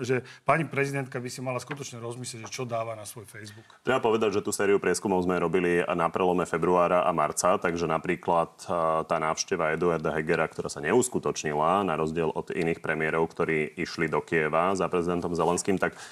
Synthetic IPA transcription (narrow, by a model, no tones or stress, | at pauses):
ʒɛpaɲipɾɛzid̪ɛnt̪̚kabisimalaskut̪ɔt͡ʃɲɛɾɔzmisljɛɟʒɛt͡ʃɔd̪aːʋanasʋɔjfɛjzbukt̪ɾɛbapɔʋɛd̪aɟʒɛt̪uːsɛːɾiupɾɪɛskumɔʊzmɛɾɔbilinapɾɛlɔmɛfɛbɾuaːɾaʔa̰maɾt͡sat̪aɡʒɛnapɾiːklat̪t̪ːaːnaːʊʃcɛʋaɛd̪uaɾd̪aɦɛɡɛɾakt̪ɔɾaːsaɲɛuskut̪ɔt͡ʃɲilanaɾɔzɟɪɛlʔɔd̪ḭniːxpɾɛmiɛɾɔʊkt̪ɔɾiːiʃlid̪ɔkiɛʋazapɾɛzid̪ɛnt̪ɔmzɛlɛnskiːmt̪ak